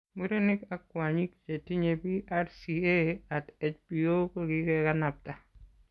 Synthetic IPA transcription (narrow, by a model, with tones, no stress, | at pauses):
mi˦ɾo˦nɪ˦ka˨kwaɲi˦kt͡ʃe˨ti˦ɲebi˦arsiea˨tɛt͡ʃpi˨o˦koɡikɛkanap̚ta˨